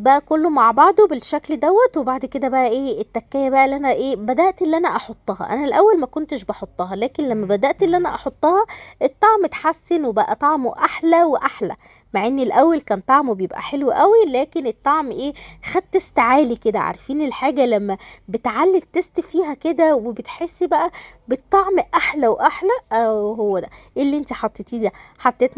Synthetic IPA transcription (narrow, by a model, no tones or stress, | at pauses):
bæʔækolːomaʕbɑʕd̪ˤobelʃækld̪æwːæt̪webaʕd̪ked̪æbæʔæʔeːet̪ːækːæːjæbæʔælːʔænæʔeːbæd̪æʔt̪elːʔænæʔɑħot̪ˤːɑhɑ̰ʔæ̰nælʔæwːælmækont̪eʃbɑħot̪ˤːɑɦɑlæːkenlæmːæbæd̪æʔt̪ʔelːʔænæʔɑħot̪ˤːɑhɑʔet̪ˤːɑʕmet̪ħasːenwebæʔæt̪ˤɑʕmoʔaħlæweʔaħlæ̰ | maʕʔenːilʔæwːælkæːnt̪ˤɑʕmwebejebʔæ̰ħelweʔæwilæːkenet̪ˤːɑʕmʔeːxæd̪̚t̪est̪ʕaːliked̪æʕɑ̰ɾˤfiːnelħaːɡælæmːæbet̪ʕalːet̪est̪fiːɦæked̪æwebet̪ħesːbæʔæbet̪ˤːɑʕmʔaħlæwʔaħlæʔeɦowːæd̪æʔelːiʔent̪iħɑt̪ˤːet̪iːd̪æħɑt̪ˤːet̪n